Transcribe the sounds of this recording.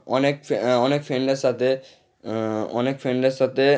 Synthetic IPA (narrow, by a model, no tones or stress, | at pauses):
ɔnekfɔnekfʰeɳɖeɾsat̪ʰe | ɔ̰nekfʰeɳɖeɾsat̪ʰe